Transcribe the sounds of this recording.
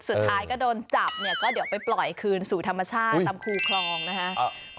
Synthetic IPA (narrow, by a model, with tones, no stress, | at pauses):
su˨˩aː˦jkɔː˥˩doː˧nt͡ɕa˨˩p̚ni˥˩ɐkɔː˥˩di˨˩˦wpa˧jplɔ˨˩jkʰɯː˧nsuː˨˩t̪ʰa˧mːa˧t͡ɕʰaː˥˩t̪ːa˧mkʰuː˧kʰɾɔː˧ŋna˦˥kʰa˦˥ʔ